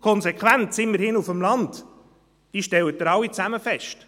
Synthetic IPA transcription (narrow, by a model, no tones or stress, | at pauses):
kʰɔnzekχwæntsɪmməɾhɪnufəmlɑnt | d̥iʃtɛwətːəɾɑwit͡sæməfɛʃt